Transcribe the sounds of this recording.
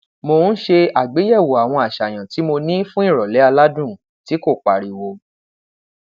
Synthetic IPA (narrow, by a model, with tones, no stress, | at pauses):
mo˧n̩˦ʃe˧a˨ɡ͡be˨˦jɛ˦˨wo˨a˨w̃ɔ̃˧a˨ʃa˨j̃ã˨ti˨˦mo˧nĩ˦fũ˦i˦˨ɾɔ˨lɛ˨˦a˧la˦dũ˦˨ | ti˨˦ko˦˨k͡pa˨ɾi˨wo˨˦